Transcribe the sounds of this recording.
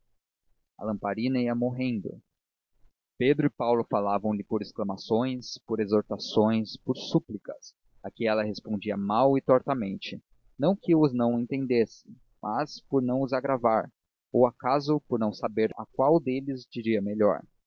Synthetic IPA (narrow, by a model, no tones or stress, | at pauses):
ɐ̰lɐ̃mpaɾĩnɐiɐmoɦẽnd̪ʊ̰ | ped̪ɾʊɪpawlʊfalavɐ̃w̃lɪpoɾesklɐmasõj̃spoɾezoɾt̪asõj̃spoɾsuplikɐs | akɪ̃ɛlɐɦespõnd͡ʒiɐmawɪt̪ɔɾt̪ɐmẽnt͡ʃɪ | nɐ̃w̃kɪʊznɐ̃w̃ẽnt̪ẽnd̪esɪ̥ | mʔaspoɾnɐ̃w̃ʊzaɡɾavaɾ | owakazʊpʊɾnɐ̃w̃sabeɾa̰kwawd̪elɪzd͡ʒiɾiɐmeʎɔ̰ɾ